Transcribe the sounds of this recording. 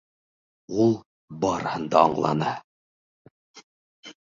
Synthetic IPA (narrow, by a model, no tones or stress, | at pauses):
ulˠ | bɑɾɤhɤ̆nd̪ɑːɴlˠɑ̰nɤ